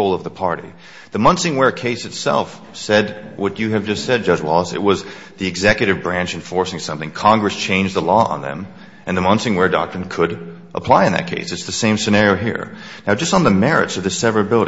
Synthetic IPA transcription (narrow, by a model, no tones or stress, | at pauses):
oʊlˠʌvðəpʰɑɹɾḭ | ðɨmʌ̃nsɪ̃ŋwɛɹkʰeɪsɨtsɛ̰lˠf | sɛd̚wʌt͡ʃɨːvd͡ʒʌstsɛd̚d͡ʒʌd͡ʒwɔlˠəsɨ̰t̚wʌz | ðiɨɡzɛkjɨɾɨvbɹæ̃nt͡ʃɨ̃ɱfɔɹsɪ̃ŋsʌ̃mθɪ̃ŋkʰɑ̃ŋɡɹɨst͡ʃʰẽɪ̃nd͡ʒðəlɔə̰̃nðɨ̰̃m | ʔɨ̃nðəmʌ̃nsɪ̃ŋwə˞dɑ̰k̚tɹɨ̃nkʰɨɾ | ʔəpʰl̥aɪɨ̃nðɨ̰t̚kʰeɪsɨtsðɨsẽɪ̃msɨnɛɹioʊɦḭɹ | naʊd͡ʒʌstn̩ðəmɛɹɨ̰tsʌvðɨsɛvə˞ɨbɪlˠəɾ